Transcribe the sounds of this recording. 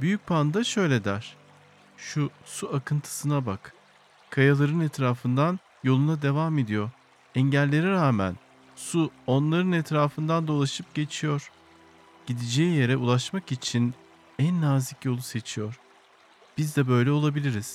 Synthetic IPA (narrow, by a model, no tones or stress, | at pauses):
byjyc̚pʰand̪aʃø̞jlʲed̪æɾ̥ | ʃusuakʰɯnt̪ʰɯ̥sɯnabak | kʰːajalˠaɾɯnɛt̪ɾaːfɯnd̪an | jo̞lˠunad̪e̞vame̞d̪ijo̞ɾ | ɛɲɟælʲːe̞ɾiɾaːmæ̰n | suo̞nlˠaɾɯnɛt̪ɾaːfɯnd̪and̪o̞lˠaʃɯp̚ɟ̥e̞t͡ʃʰijo̞ɾ̥ | ɟ̥id̪id͡ʒejije̞ɾɛʔulˠaʃmakit͡ʃʰin | ænːaːzicjo̞lˠuse̞t͡ʃʰijo̞ɾ | b̥izd̪ɛbø̞jlʲɛo̞lˠabilʲiɾiz̥